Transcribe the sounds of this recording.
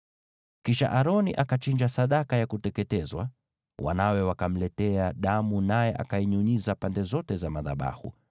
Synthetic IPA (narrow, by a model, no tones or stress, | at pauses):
kiʃa̰ʔaɾɔniʔakat͡ʃind͡ʒasaɗakajakutɛkɛtɛzwa̰ | wʔa̰nawɛwakam̩lɛtɛaɗamunajɛʔa̰kaiɲuɲizapandɛzɔtɛzamaða̰ɓa̰hṵ